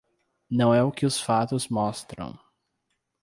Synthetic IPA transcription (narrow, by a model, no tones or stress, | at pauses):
nɐ̃w̃ɛʊkɪʊsfat̪ʊzmɔst̪ɾɐ̰̃w̃